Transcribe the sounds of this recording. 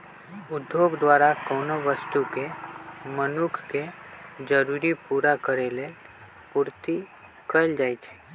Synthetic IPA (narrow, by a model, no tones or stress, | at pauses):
ʊd̪ʱjoːɡd̪waːɾakɔːnoʋəst̪ukemənʊkʰked͡ʒəɾuɾipuːɾakəɾele | puːɾt̪i | kəld͡ʒaːit͡ʃʰe̥